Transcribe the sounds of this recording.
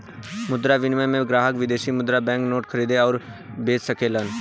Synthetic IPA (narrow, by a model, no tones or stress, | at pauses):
mʊd̪ɾaʋɪnʋəẽmẽɡɾaːɦəkʋɪd̪eːʃimʊd̪ɾabɛ̃ːŋknoːʈkʰəɾiːd̪eɔːɾ | beːssəkʰeːlən